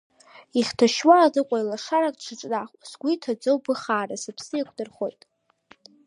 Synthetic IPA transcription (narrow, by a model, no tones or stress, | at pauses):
iχʲtʰaʃwaːdɨqʷʼajlaʂaɾakʼʈ͡ʂʰɨʈ͡ʂʼnaχʷʼsɡʷitʰad͡zowbɨχaːrasapʰsɨakʷʰdɨrχo̞jtʼ